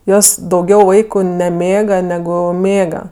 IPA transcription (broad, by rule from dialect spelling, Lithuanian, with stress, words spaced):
ˈjoːs dɐʊˈɡʲɛʊ ˈʋɐɪkʊ nʲɛˈmʲeːɡɐ nʲɛˈɡʊ ˈmʲeːɡɐ